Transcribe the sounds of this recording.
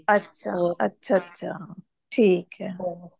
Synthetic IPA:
ɐtːʃʰaɐtːʃʰaɐtːʃʰa | ʈʰiːkɦɛ

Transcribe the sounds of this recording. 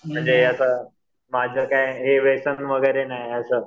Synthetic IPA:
m̤əɳd͡zeəsə | mad͡ʑʱəkaiɦeʋesənʋəɡəjɾenaɦjəsəː

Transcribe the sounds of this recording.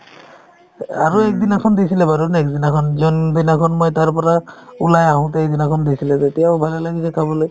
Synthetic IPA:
a̰ɹuɛk̚dinakʰɔndisilɛbaɹunɛkdinakʰɔnzɔndinakʰɔnmojtaɹpɔɹaulajaɦʊ̃t̬ɛɛjdinakʰɔndisilɛtetijaʊbʱalalaɡisɛkʰabɔloj

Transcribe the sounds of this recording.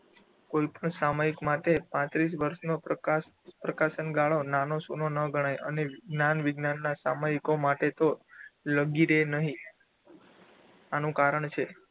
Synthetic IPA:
koipəɳsamaikmaʈepãt̪ɾis̬ʋəɾʃno | pɾəkaʃənɡaɭonanosunonəɡʱəɽ̃ajʔə̰nenanʋɪɡnanːasamaikomaʈet̪oləɡiɾenəɦĩ | anũkaɾəɳt͡ʃʰe

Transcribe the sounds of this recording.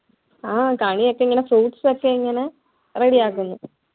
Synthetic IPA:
aːkaɳijokːeiŋːɐnefruːʈsokːeiŋːɐne | reɽiaːk̬ːunːu

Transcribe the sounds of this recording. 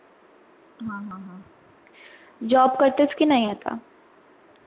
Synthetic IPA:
ɦãːɦãːɦãː | d͡ʒɔːbkɐɾt̪eɪskinɐɦĩɦɛːt̪ʰa̰ː

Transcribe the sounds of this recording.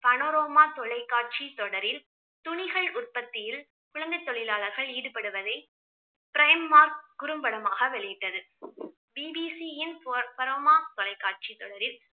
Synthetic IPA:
pɐnoːɾoːmaːt̪ɔɭɐɪkːaːʈ̚t͡ʃit̪ɔɽɐɾɪl | t̪ʊɳɪɣɐɭʊrpɐt̪ːɪjɪl | kʊɭɐnd̪ɐɪt̪ːɔɭɪlaːɭɐɾɣɐɭiːɽɯpɐɽɯʋɐðɐɪ | pɪɾɐjɐmːaːɾkʊɾɯmbɐɽɐmaːɣɐʋɛɭɪjɪʈːɐðɯ | biːbiːsijɪnppɐɾoːmaːt̪ɔɭɐɪkːaːʈ̚t͡ʃit̪ːɔɽɐɾɪl

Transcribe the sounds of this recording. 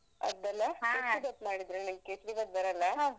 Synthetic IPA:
ɐ̰d̪ɐlːɐesibɐt̪maːɽid̪ɾenɐmɡkesɾibɐt̪̚bɐɾɐlːɐ

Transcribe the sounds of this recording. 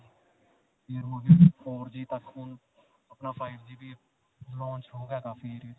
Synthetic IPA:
eːɾmoɡeoːɾd͡ʒiːt̪əkʰːuːn | əpnaːpʰaːɪɾd͡ʒiːbiː | zlõːnt͡ʃɦoːɡjaːkaːfʰiːɾi

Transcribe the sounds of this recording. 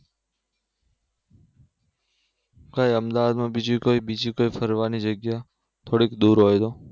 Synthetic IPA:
kajəmd̪aʋad̪mãbid͡ʒikoibid͡ʒikoifəɾʋanid͡ʒəɡja | t̪ʰoɽikd̪uɾɦojt̪o

